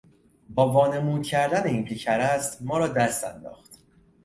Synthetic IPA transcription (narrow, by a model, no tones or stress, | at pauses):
bɒːvɒːne̞muːd̪̚cʲʰæɾd̪æneiːnpʰicʰæɾæst̪mɒːɾɒːd̪æst̪ænd̪ɒ̰ːxt̪